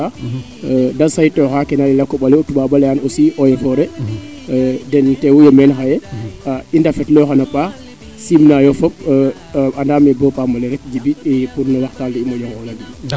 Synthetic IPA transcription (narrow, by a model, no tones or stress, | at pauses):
a | dansajtɔxakɛnalilakːɔɓalɛɔtuɓaɓalɛaːnosiʔɔjɛfɔɾɛ | dɛntɛwujɔmɛnxajɛaindafɛtlɔxanɔpa | simnajɔfɔp̚ | andaːmɛbɔpamɐlɛɾɛk̚d͡ʒibiipunːɔwaxtaldiimɔd͡ʒɔŋɔlaɡibi